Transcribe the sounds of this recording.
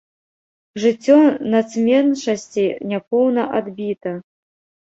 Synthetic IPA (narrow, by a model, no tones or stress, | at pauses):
ʐɨt͡sʲːɔnat̪smʲɛnʂɐsʲt͡sʲinʲapɔwnɐʔad̪bʲit̪ɐ